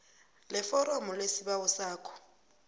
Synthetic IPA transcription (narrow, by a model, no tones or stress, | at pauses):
lɛfɔɾɔmɔlesiɓawɔsaːkʰɔ̥